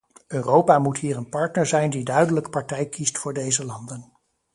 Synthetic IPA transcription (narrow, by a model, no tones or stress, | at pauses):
ʔøːrowpaːmutɦiːrənpɑɹtnəɹzɛjndidœɥdələkpɑɹtɛjkistfʊːɹdejzəlɑndən